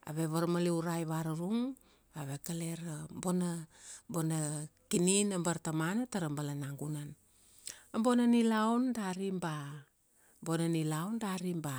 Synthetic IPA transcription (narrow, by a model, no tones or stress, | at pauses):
a̰βeβaɾmaliuɾajβaɾaɾuŋ | aβe̞kale̞ɾambonabonakininambaɾtamanataɾambalanaŋɡunan | ambo̞nanilawndaɾimba | mbonanilawndaɾimba